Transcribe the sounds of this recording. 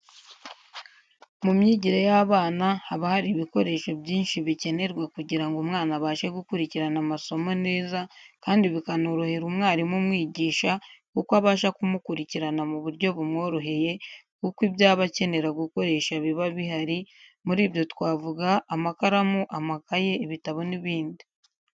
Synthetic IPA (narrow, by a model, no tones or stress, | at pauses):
mumɲiːɟiɾejaβaːnahaβahaɾiβiko̞ɾe̞ːʃo̞bɟiːnʃiβice̞ne̞ɾɡwekuɟiɾaŋɡumŋaːnaβaːʃeɡukuɾiciɾanamaso̞mo̞ne̞ːzakaːndiβikanoːɾoheɾumŋaːɾimumŋiːɟiːʃakukwaβaːʃakumukuɾiciɾanamuβuɾɟo̞βumŋo̞ːɾo̞ɦe̞je̞ | kukiβjaːβace̞ne̞ɾaɡuko̞ɾe̞ːʃaβiβaβiɦaɾimuɾiːβjo̞twaːvuɡaːmakaɾamuʔamakaje̞iβitaβo̞niβiːndi